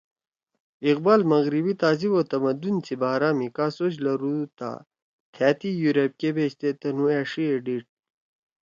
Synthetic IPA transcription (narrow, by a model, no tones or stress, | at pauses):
iqbaːlmɐɣɾibit̪aːziboːt̪ɐmɐd̪unt͡sʰibaːɾaːmikaːsod͡ʑlɐɾut̪a̰ | t̪ʰaːt̪ijuɾɐp̚kebeːɕt̪et̪ɐnueːʂieɖiʈ̚